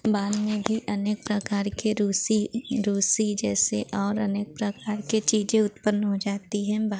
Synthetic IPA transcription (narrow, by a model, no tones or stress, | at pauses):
baːlmẽbʱiʔɐneːk̚pɾɐkaːɾkeɾuːsiɾuːsid͡ʒɛːseʔɔːɾɐneːk̚pɾɐkaːɾket͡ʃiːd͡ʒẽʊt̪pənːɦod͡ʒaːt̪iɦɛ̃b